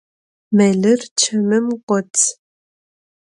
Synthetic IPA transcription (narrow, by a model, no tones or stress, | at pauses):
mɐɮɨrt͡ʃʰɐmɨmqʷɔtʰ